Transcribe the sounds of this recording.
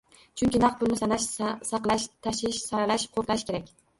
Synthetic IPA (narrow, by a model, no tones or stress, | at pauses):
t͡ʃʰʊŋʲkʲɪnɑq̪̚bʊlˠnɪsanaʃsɑqlˠaʃt̪ʰaʃɪʃsaɾalaʃqʰoɾqaʃkʰʲe̞ɾakʲ